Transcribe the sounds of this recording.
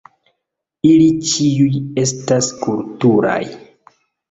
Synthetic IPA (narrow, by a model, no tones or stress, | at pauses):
ilit͡ʃiuje̞s̬taskultuɾa̰j